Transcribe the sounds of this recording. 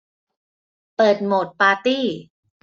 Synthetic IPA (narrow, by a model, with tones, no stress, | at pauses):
pɤː˨˩t̪̚moː˨˩t̪̚paː˧t̪iː˥˩